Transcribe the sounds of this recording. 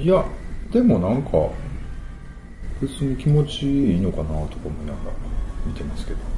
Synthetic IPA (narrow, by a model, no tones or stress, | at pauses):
jad̪e̞mo̞nãŋkʰa̰ | b̥ɯ̟t͡sɨːɲ̟ikʲimo̞t͡ɕiiːno̞kanat̪okamo̞inaɡaɾa̰mʲit̪e̞masɨ̥ke̞d̪̥o̞